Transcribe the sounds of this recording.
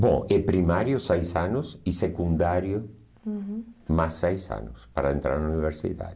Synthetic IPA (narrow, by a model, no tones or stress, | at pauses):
bõ̰ɛpɾimaɾjʊsejsanʊsisekũnd̪aɾjʊ | masːejsa̰nʊspaɾaent̪ɾaɾnauniβeɾsḭða̰ðɪ